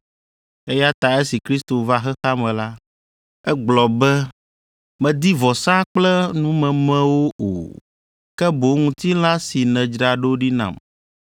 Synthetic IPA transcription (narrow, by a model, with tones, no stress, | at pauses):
e˦ja˦t̪a˨e˦si˨kɾi˦st̪o˨va˦xɛ˦xa˦mɛ̃˨la˦ | ɛ˦ɡ͡blɔ˨bɛ˦ | mɛ̃˨d̪i˦vɔ˨sã˦k͡plɛ˦nũ˦mɛ̃˨mɛ̃˦wo˦o̰˨ | kɛ˦bo˨˦ŋũ˨t̪i˦l̃ã˦si˨nɛ̃˨d͡ʒɖa˨ɖo˦ɖi˦nã̰˨m